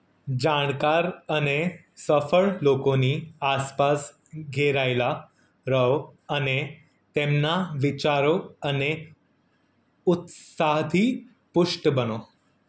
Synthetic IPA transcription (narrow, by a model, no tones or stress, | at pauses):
d͡ʑaɳkaɾəne | səfəɭlokoniaspas | ɡʱeɾajla | ɾəwane | t̪emnaʋit͡ɕaɾoəne | ut̪saɦd̪ʱiː | puʂʈəbəno